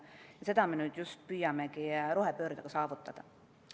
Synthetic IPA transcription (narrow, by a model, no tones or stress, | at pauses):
jɑse̞d̪ɑmenyd̪just̪̚pyjːɑmekirohepøːɾt̪ɑkɑsɑːʋut̪ːɑd̪̥ɑ